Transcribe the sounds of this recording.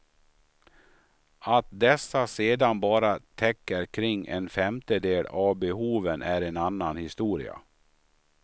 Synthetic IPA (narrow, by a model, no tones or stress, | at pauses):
at̪̚d̪ɛsːaseːd̪anbɑːɾat̪ʰɛkːəɾkʰɾɪŋːʔɛ̰nfɛmt̪əd̪eːlavbɛhuːvənʔæɾɛnanːanhɪst̪uːɾɪ̰a̰